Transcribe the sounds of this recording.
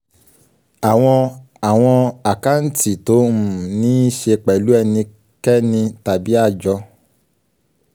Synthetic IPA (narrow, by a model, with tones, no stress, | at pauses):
a˨w̃ɔ̃˧ | a˨w̃ɔ̃˧a˨ka˦n̩˦ti˦˨to˨˦˨nĩ˨˦i˦ʃe˧k͡pɛ˨lu˦ɛ˧nĩ˧ | kɛ˦nĩ˧ta˨bi˦a˦˨d͡ʒɔ˧